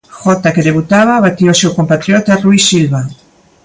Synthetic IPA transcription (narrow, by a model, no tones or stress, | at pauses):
xɔt̪akeðeβut̪aβaβat̪iosewkompat̪ɾjot̪aruisilβa